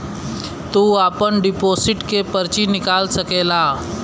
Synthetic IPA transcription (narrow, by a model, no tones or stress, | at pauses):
t̪uːaːpənɖɪpoːsɪʈkepəɾt͡ʃinɪkaːlsəkeːlaː